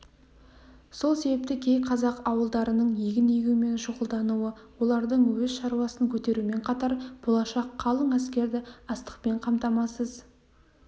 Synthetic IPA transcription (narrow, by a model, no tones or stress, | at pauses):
so̞lˠse̞bep̚t̪ɪkʲʰe̞jqʰɑzɑqɑwəlˠd̪ɑɾənəɴjeɡʲɪnejɡʲume̞nʒʊʁəlˠd̪ɑnuwəwo̞lˠɑɾd̪əɴwɵzʃɑɾwɑsəŋkʲʰɵt̪e̞ɾume̞ɴqʰɑt̪ɑɾb̥olˠɑʃɑqʰːɑlˠəɴæskʲe̞ɾd̪ɪɑst̪ə̥q̚pe̞ɴqʰɑmt̪ɑmɑsəz